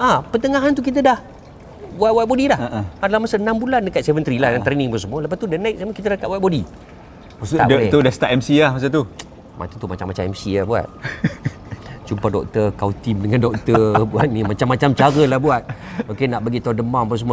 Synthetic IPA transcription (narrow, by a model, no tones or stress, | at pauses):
ʔapət̪əŋaɦant̪uk̬it̪̬ədah | buat̪̚wat̪̚bodilahadalahmasaənambulandəkat̪̚sɛvənt̪ɾilahjaŋt̪ɾeniŋbəsəmuələpast̪udənãjt̪̚saməkit̪ədakaʔ̚waʔ̚bodi | usadɛudast̪aʔɛmsiahmas̬at̪̬u | ma̰t̪ut̪umat͡ʃamːat͡ʃamɛmsiabua̰t̪̚ | t͡ʃumpadɔ̰k̚t̪ərkaut̪imdəŋandɔk̚t̪ərbuat̪̚nimat͡ʃamːat͡ʃamt͡ʃaɾəlahbuat̪̚okenaʔbaɡit̪adəmaŋbəsəmua